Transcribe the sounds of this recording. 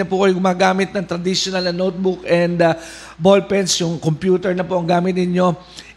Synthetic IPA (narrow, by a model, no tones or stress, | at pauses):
ɐpukɐjoɡʊmaːɡaːmɪt̪̚nɐŋt̪ɾɐd̪iʃonɐlnɐnot̪̚bʊkɛnd̪ | bolpɛnsjʊŋkompjuːt̪ɛɹnɐpoʔɐŋɡaːmɪt̪̚nɪɲo̞